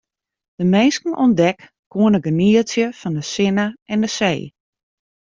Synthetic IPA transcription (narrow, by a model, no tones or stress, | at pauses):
d̥əmeːskn̩ɔndɛk | kuənəɡəniəsjəfɔndəsɪnəʔɛndəseː